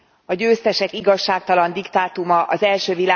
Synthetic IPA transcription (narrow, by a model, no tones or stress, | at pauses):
ɒɟøːst̪ɛʃɛkiɡɒʃːaːk̚t̪ɒlɒnd̪ikt̪aːt̪umɒʔɒzɛlʃøːvilaː